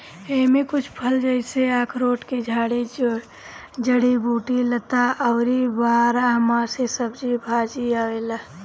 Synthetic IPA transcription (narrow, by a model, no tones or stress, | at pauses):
eːmẽkʊt͡ʃʰpʰəld͡ʒəseaːkʰɾoːʈked͡ʒʱaːɽe | d͡ʒəɽibuːʈilət̪aʔəːɾibaːɾaɦəmaːsesəbd͡ʒibʱaːd͡ʒiaːʋela